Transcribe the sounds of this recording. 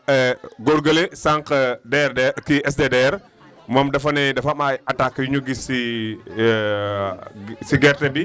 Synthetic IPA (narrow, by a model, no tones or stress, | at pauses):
ɛɡoɾɡɐlesaŋkɐdɛɾdɛkiɛs̬dedɛɾ | mɔmdɐfɐnɛdɐfamajɐtakːjuɲuɡisi | siɡɛɾtɛbi